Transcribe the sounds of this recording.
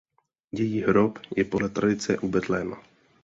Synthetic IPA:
jɛjiːɦɾopjɛpodlɛt̪ɾadɪt͡sɛʔubɛt̪lɛːma̰

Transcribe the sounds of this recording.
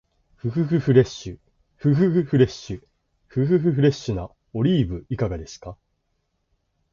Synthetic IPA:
ɸɯ̟hɯ̟ɸɯ̟hɯ̟ɾe̞ɕːɨ | ɸɯ̟ɦɯ̟hɯ̟ɸɯ̟ɾe̞ɕːɨ | ɸɯ̟ɦɯ̟ɦɯ̟ɸɯ̟ɾe̞ɕːɨna | o̞ɾʲiːbɯ̟ikaɡad̪e̞sɨ̥ka

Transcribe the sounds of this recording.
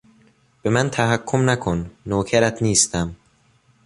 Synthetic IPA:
b̥e̞mænt̪ʰæɦækʰːomnækʰonːoːcʰæɾæt̪ʰniːst̪æm

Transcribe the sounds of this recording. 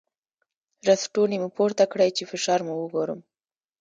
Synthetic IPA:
ɾasʈunimupoɾt̪akɽəjt͡ʃefɪʃɑɾmuwəɡoɾə̰m

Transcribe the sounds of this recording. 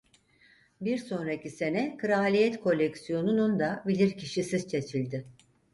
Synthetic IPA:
biɾso̞nɾacise̞nɛkʰɯɾalʲijɛt̪kʰo̞lʲːecsijo̞nunund̪abilʲiɾcʰiʃisizt͡ʃʰe̞t͡ʃʰilʲd̪ɪ

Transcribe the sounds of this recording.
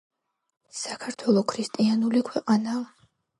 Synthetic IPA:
sakʰaɾt̪ʰwɛlˠɔkʰɾist̪ʼianulikʰwɛqʼana

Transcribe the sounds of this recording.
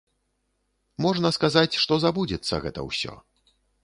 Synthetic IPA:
mɔʐnɐskazat͡sʲʂt̪ɔzabud͡zʲɛt̪sːɐ̰ɣɛt̪ɐ̰wsʲɔ̰

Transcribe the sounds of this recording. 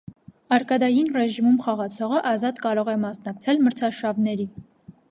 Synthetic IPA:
ɑɾkɑd̪ɑjinrɛʒimumχɑʁɑt͡sʰɔʁəʔɑzɑt̪kɑɾɔʁɛmɑsnɑkt͡sʰɛlməɾt͡sʰɑʃɑvnɛɾi

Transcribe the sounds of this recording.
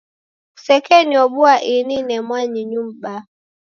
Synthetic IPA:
usɛkɛniɔɓuaʔininɛmwaɲiɲum̩ɓa

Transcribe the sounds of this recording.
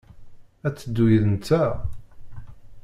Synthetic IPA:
æt͡sːəd̪ːujəðənt͡s̪æ

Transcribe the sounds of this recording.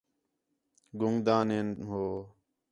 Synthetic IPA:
ɡʊŋd̪ãːneːnɦoː

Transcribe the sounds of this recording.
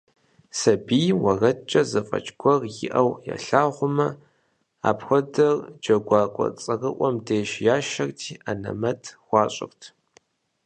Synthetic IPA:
sɐbiːwɐrɐt͡ʃʼɐzɐfʼɐ̰t͡ʃʼɡʷɔrjɪ̰ʔɐwja̰ɬaːʁʷʊmɐ | a̰ːpxʷɔdɐrd͡ʒɐɡʷɑːkʷʼɔ̰t͡sʼɐrɨʔʷɔmdeːʃjaːʃɐrtʰiːanɐ̰mɐtʰxʷɑːɕʼɪ̰rtʰ

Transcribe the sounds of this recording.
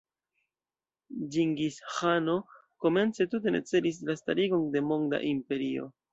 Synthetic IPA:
d͡ʒiŋɡishano̞ | ko̞me̞nt͡se̞tut̬e̞ne̞̰t͡se̞lis̬lastaɾiɡo̞nde̞mo̞ŋda̰ʔimpe̞ɾio̞̰

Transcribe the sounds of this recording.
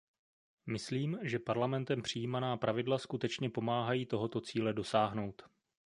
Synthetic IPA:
mɪsliːmʒɛpaɾlamɛnt̪ɛmpr̝̥ɪjiːmanaːpɾʔavɪdlaskut̪ɛt͡ʃɲɛpo̞maːɦajiːt̪o̞ɦo̞t̪o̞t͡siːlɛdo̞saːɦno̞wt̪

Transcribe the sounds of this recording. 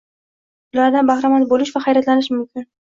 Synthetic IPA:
ʊlaɾd̪anbahɾamat̪bolɪʃvaχajɾat̪lanɪʃmʊmkʲʰɪn

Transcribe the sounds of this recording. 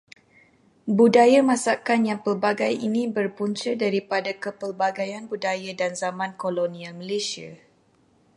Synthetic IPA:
budajamãsakanjaŋpərbaɡajinĩbərpuɲt͡ʃədaɾipadakəpərbaɡajanbudajadanzamãnkolonĩalməlesia̰

